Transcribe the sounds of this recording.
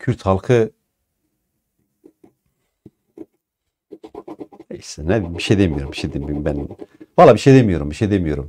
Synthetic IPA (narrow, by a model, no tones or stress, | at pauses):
cʰyɾt̪halˠkʰɯ | nejsɛnɛd̪imbiʃejd̪emijo̞ɾumbiʃed̪imbymbænvalˠːaːbiʃejd̪emijo̞ɾumbiʃejd̪emijo̞ɾum